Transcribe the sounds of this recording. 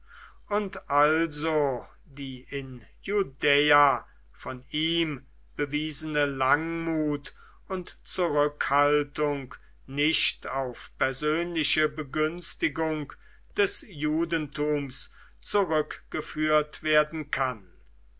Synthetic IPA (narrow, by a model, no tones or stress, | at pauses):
ʊntʔalzo | diːʔɪnjudeːa | fɔniːm | b̥əviːzənəlaŋmuːt | ʊntt͡suʁʏkhaltʊŋk | nɪʃtaʊfpɛɐzøːnlɪʃəbəɡʏnstɪɡʊŋk | d̥ɛsjuːdən̩tuːms | t͡suʁʏkɡ̥əfyːɐtv̥eːɐdn̩kʰan